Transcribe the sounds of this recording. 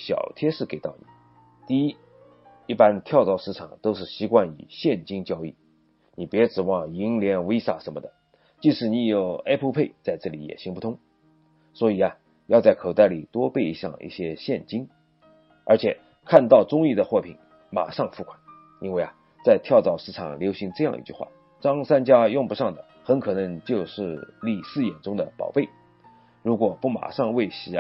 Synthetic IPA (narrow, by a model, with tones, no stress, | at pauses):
ɕjɑ̰˨˩ʊt̪ʰjɛ˥ʂɻ̩˥˩ke˨˩ɪt̪ɑ˥˩ʊnḭ˨˩˦ | t̪i˥˩i˥ | i˥˩pa˥nt̪ʰjɑ˥˩ʊt͡sɑ˥˩ʊʂɻ̩˥ʈ͡ʂʰɑ˨˩ŋt̪o˥ʊʂɻ̩˥˩ɕi˧˥kwa˥˩nḭ˨˩ɕjɛ˥˩nt͡ɕi˥ŋt͡ɕjɑ˥ʊḭ˥˩ | ni˨˩pjɛ˧˥ʈ͡ʂɻ̩˨˩wɑ˥˩ŋi˧˥ŋljɛ˧˥nwe˥ɪʂa̰˥˩ʂə˧˥nmə˧˩d̪ə˩ | t͡ɕi˥˧ʂɻ̩˧˩ni˧˥jo˨˩ʊa˥pʰu˥pʰe˥˩ɪt͡sa˥˧ɪʈ͡ʂɤ˥˩lḭ˧˥jɛ̰˨˩ɕi˥ŋpu˥˩t̪ʰʊ˥ŋ | swɔ˧˥i˨˩ɐ˧ | jɑ˥˧ʊt͡sa˥˩ɪkʰo˨˩t̪a˥˩ɪli˨˩t̪wɔ˥pe˥˩ɪi˧˥ɕjɑ̰˥˧ŋḭ˥˩ɕjɛ˥ɕjɛ˥˧nt͡ɕi˥ŋ | ə˞˧˥t͡ɕʰjɛ˨˩ | kʰa˥˧nt̪ɑ˥˩ʊt͡sʊ˥ŋi˥˩d̪ə˩xwɔ˥˩pʰḭ˨˩ŋ | ma̰˨˩ʂɑ˥˧ŋfu˥˩kʰwḁ˨˦n | i˥nwe˥˩ɪɐ˩ | t͡sa˥˧ɪt̪ʰjɑ˥˩ʊt͡sɑ˨˩ʊʂɻ̩˥˩ʈ͡ʂʰɑ̰˨˩ŋljo˧˥ʊɕi˧˥ŋʈ͡ʂɤ˥˧jɑ˥˧ŋḭ˧t͡ɕy̰˥˩xwa̰˥˩ | ʈ͡ʂɑ˥ŋsa˥nt͡ɕja˥jʊ˥˩ŋpu˧˥ʂɑ˥˩ŋd̪ə˩ | xə˧˥nkʰɤ˨˩nɤ˧˥ŋt͡ɕjo˥˧ʊʂɻ̩˥˧li˥˩sɹ̩˥˩jɛ˨˩nʈ͡ʂʊ˥ŋd̪ə̰˨pɑ̰˨˩ʊpe˥˩ɪ | ɻu˧˥kwɔ˨˩pu˥˩ma̰˨˩ʂɑ˥˧ŋwe˥˩ɪɕi˨˥